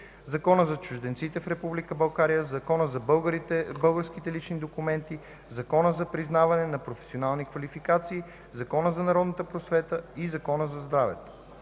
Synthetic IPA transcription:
zɐkɔnəzɐt͡ʃʊʒd̪ɛntsit̪ɛfɾɛpublikəbɐlˠɡaɾijəzɐkɔnəzɐbˠɡɾiɛbɤlˠɡəɾskit̪ɛlit͡ʃnid̪okumɛnt̪i | zɐkɔnəzɐpɾiznavɐnɛnɐpɾofɛ̥sionalˠnikvɐlifikat̪siː | zɐkɔnəzɐnɐɾɔd̪nt̪əpɾosvɛt̪əizɐkɔnəzɐzd̪ɾavɛ̰t̪o̥

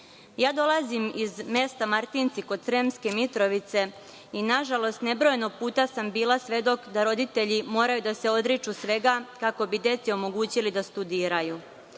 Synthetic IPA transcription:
jaːd̪o̞lˠazimizme̞st̪amaɾt̪int̪siko̞d̪sɾemske̞mit̪ɾo̞ʋit̪se̞ | inaʒalo̞st̪ne̞bɾo̞jeno̞ɡ̚puːt̪asambiːlˠasʋe̞d̪o̞kd̪aɾo̞d̪it̪eʎimo̞ːɾajud̪ase̞o̞d̪ɾit͡ʃusʋe̞ɡakako̞bid̪je̞t̪sio̞mo̞ɡuːt͡ɕilid̪ast̪ud̪iːɾaju

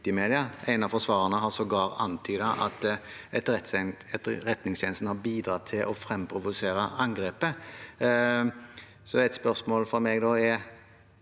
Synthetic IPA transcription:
t̪ɪmeːd̪ɪɑæ̰ɪnɑʋfɔʁsʋɑːʁənəɦɑsɔɡɑːʁɑ̰nt̪ʰyːd̪əʔɑt̪ɛt̪t̪ʁɛt̪nɪŋst̪ʰɛːnəst̪n̩hɑɾbiːd̪ɾɑt̪ʰɪlʔɔfɾɛmpʰɾʊʋʊseːɾəʔɑŋɡɾeːpə | sɔɛt̪spœʁsmoːlfɔɾmeɡd̪ɔɛ

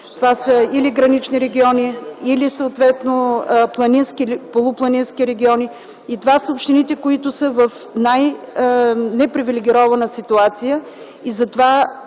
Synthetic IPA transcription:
t̪ovasəiliɡɾɐnit͡ʃniɾɛɡʲiɔniilisəot̪vɛt̪noplˠɐninskilpolˠʊplˠɐninskʲiɾɛɡʲiɔnʲi | it̪ovasəopʃt̪init̪ɛkoit̪ʊsəvəf | naj | nɛpɾivilʲɛɡʲiɾɔvɐnəsit̪uat̪sijə | izɐt̪ova

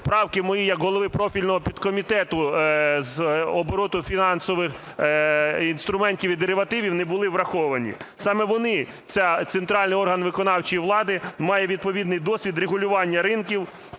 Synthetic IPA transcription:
pɾɑwkɪmɔjijɐkɦɔlˠɔʋɪpɾɔfʲilʲnɔɦɔpʲid̪kɔmʲit̪ɛt̪ʊzɔbɔɾɔt̪ʊfʲinɑnsɔʋɪx | inst̪ɾʊmɛnʲtʲiʋid̪eɾɪʋɐt̪ɪʋʲiwnɛbʊlˠɪʋɾɐxɔʋɐnʲḭsɑmɛʋɔnɪ | t̪sʲɛt̪sent̪ɾɑlʲnɪjɔrɦɐnʋɪkɔnɑwt͡ʃijiʋlˠɑd̪ɪmɑjɛʋʲid̪̚pɔʋʲid̪nɪjd̪ɔsʲʋʲid̪ɾeɦʊlʲʊʋɑnʲːɐɾɪnkʲiw

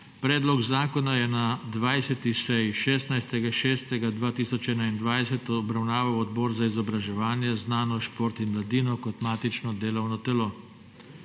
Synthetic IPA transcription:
pɾɛːd̪lɔɡzaːkɔnajɛnad̪ʋajsɛt̪isɛjʃɛːst̪najst̪ɛɡaʃɛːst̪ɛɡad̪ʋaːt̪iːsɔt͡ʃɛnaind̪ʋajsɛt̪ɔɔbɾawnaːʋawɔd̪bɔːɾzaizɔbɾaʒɛʋaːnjɛznaːnɔʃpoːɾt̪inmlad̪iːnɔkɔt̪maːt̪it͡ʃnɔd̪eːlɔwnɔt̪ɛloː

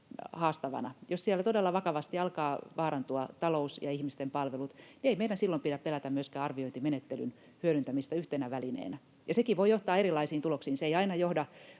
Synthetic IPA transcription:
hɑːst̪ɑʋɑ̰nɑjossiælæt̪odelːɑʋɑkɑʋɑst̪iɑlkɑːʋɑːɾɑnt̪uɑt̪ɑlousjɑihmist̪empɑlʋelut̪nieimeidænsilːompiɾæppelæt̪æmyøskæːɑrʋioint̪imenet̪ːely̰n | hyøɾynt̪æmist̪æyht̪enæʋælinḛːnæ | jɑsekiʋoijjoht̪ɑːerilːˑɑisiːnt̪uloksiːnseiɑinɑjohdɑ

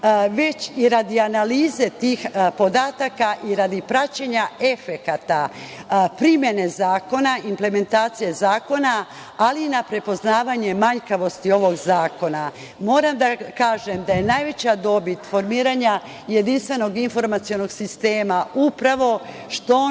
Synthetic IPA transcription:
ʋe̞t͡ɕiɾad̪ianaliːze̞t̪iːxpo̞d̪at̪akaʔiɾad̪ipɾat͡ɕeɲae̞fe̞kat̪a | pɾimje̞ne̞zaːko̞naimple̞me̞nt̪aːt̪sije̞zaːko̞na | aliːnapɾe̞po̞znaːʋaɲe̞maɲkaʋo̞st̪io̞ʋo̞ɡzaːko̞na | mo̞ːɾamd̪akaːʒe̞md̪aje̞najʋe̞t͡ɕad̪o̞bit̪fo̞ɾmiːɾaɲa | je̞d̪inst̪ʋe̞no̞ɡinfo̞ɾmat̪sijo̞no̞ɡsist̪eːmaupɾaʋo̞ | ʃt̪o

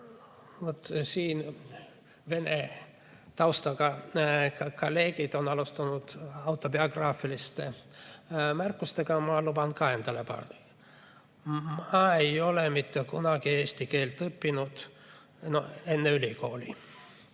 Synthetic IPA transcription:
ʋot̪siːn | ʋe̞ne | t̪ɑwst̪ɑkɑ | kɑlːe̞ːɡ̥id̪o̞nɑlust̪ɑnud̪̥ɑwt̪ːˑobioɡrɑːfilist̪e | mærkːˑust̪eɡɑmɑlubɑnkɑɦend̪ɑlepɑ̰rd̪i | mɑejo̞lemit̪ːekunɑɡieːsʲt̪ike̞ːlt̪ːɤpːinud̪̥ | no̰e̞nːeylʲiko̞ːlʲḭ

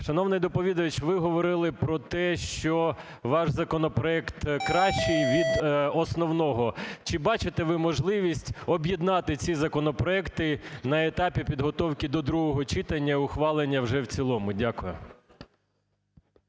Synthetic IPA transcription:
ʃɐnɔwnɪjd̪ɔpɔʋʲid̪ɐɐt͡ʃʋɪɦɔʋɔɾɪlˠɪpɾɔt̪ɛʃt͡ʃɔ | ʋɑʃzɐkɔnɔpɾɔɛkt̪kɾɑʃt͡ʃɪjʋʲid̪ɔsnɔwnɔɦɔt͡ʃɪbɑt͡ʃɪt̪eʋɪmɔʒlˠɪʋʲisʲtʲɔbʲjid̪nɑt̪ɪt͡sʲizɐkɔnɔpɾɔɛkt̪ɪnɐet̪ɑpʲipʲid̪ɦɔt̪ɔwkʲid̪ɔd̪ɾuɦɔɦɔt͡ʃɪt̪ɐnʲːɐʊxʋɑlˠenʲːɐwʒɛwt͡sʲilˠɔmʊdʲakʊjʊ̰

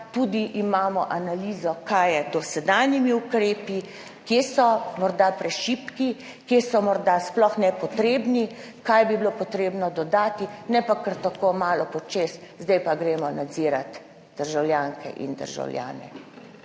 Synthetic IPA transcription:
t̪ud̪iʔimaːmɔʔanaliːzɔkajɛd̪ɔsɛd̪aːnjimiukɾeːpi | kjesɔmɔɾd̪apɾɛʃiːpki | kjeːsɔmɔɾd̪asplɔxnɛpɔt̪ɾeːbni | kajbibilopɔt̪ɾeːbnɔd̪ɔd̪aːt̪inɛpakəɾt̪akoːmaːlɔpɔt͡ʃeːszd̪ɛjpaɡɾeːmɔnad̪ziːɾat̪ | d̪̥əɾʒawljaːŋkʰɛ̰ʔḭnd̪ə̰ɾʒa̰wlja̰ːnɛ̰

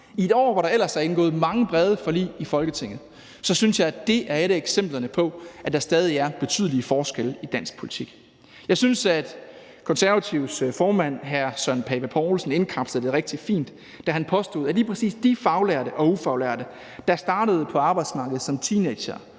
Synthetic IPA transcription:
ie̝d̥ɒ̰ːʋɑ̈ɾɑ̈el̰ɐsɑenɡ̥ɔ̰̽ːð̩ˠmɑ̈ŋəb̥ʁɛð̞ˠəfɒ̽lḭːifɒ̽lɡ̥ət͡sʰe̝ŋ̰ð̩ˠ | sɒ̽synsjɑ̈ɪæd̥e̝ʔæɐeɾəeɡ̥sem̰b̥lɐnəpʰɒ̽æd̥ɑ̈sd̥ɛːðˠiæɐb̥e̝t͡sʰyð̞̰ˠəliəfɒːsɡ̥elid̥æn̰sɡ̥̚pʰo̝li̥t͡sʰiɡ̥ | jɑ̈ɪsynsæd̥ | kʰɒ̽nsæɐʋæt͡sʰiʊsfɒːmæn̰ɦæɐsɶnpʰɛːb̥æpʰɒːlsn̩e̝nkʰɑ̈b̥səð̩ˠd̥e̝ʁeɡ̥̚d̥ifḭːnd̥ː | æɐɦænpʰɒ̽sd̥o̝ːðˠæliːpʰʁɛsḭːsd̥ifɑ̈ʊlæɐɾəʔɒ̽ufɑ̈ʊlæɐ̰d̥ə | d̥ɑ̈sd̥ɑ̈ːɾ̥əð̞̩ˠpʰɒ̽ɑ̈ːb̥ɑ̈ɪd̥smɑ̈ːɡ̥ð̞̩ˠsɒ̽mt͡sʰiːneɪ̥ɕɐ

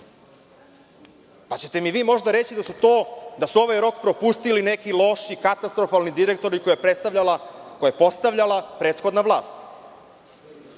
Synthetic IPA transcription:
pat͡ɕe̞t̪e̞miʋiːmo̞ʒd̪aɾe̞t͡ɕid̪asut̪oːd̪asuo̞ʋajɾo̞kpɾopust̪iline̞kilˠo̞ʃikat̪ast̪ɾo̞falnid̪iɾe̞kt̪o̞ɾiko̞jepɾet̪st̪aʋʎalakojepo̞st̪aʋʎalapɾeːt̪xo̞d̪naʋlˠaːst̪

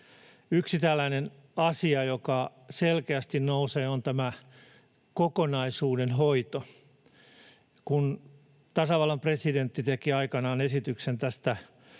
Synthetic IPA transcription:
yksit̪ælːæinen | ɑsiɑjokɑ | selkeæst̪innouseːont̪æmæ | kokonɑisuːdenɦoit̪o | kun | t̪ɑsɑʋɑlːɑmpresident̪ːit̪ekiɑikɑnɑːnesit̪yksent̪æst̪æ

